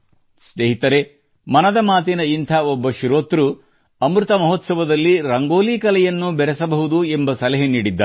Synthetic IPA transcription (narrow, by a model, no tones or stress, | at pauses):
sʈeɦit̪ɐɾe | mɐnɐd̪ɐmaːt̪enɐint̪ʰɐɔbːɐʃiɾoːt̪ɾu | ɐmɾɨt̪ɐmɐɦot̪sɐʋɐd̪ɐlːiɾɐŋɡoːliːkɐlɛjɐnːubɛɾɛsɐbɐɦud̪uembɐsɐlɐɦeniːɽid̪ːa̰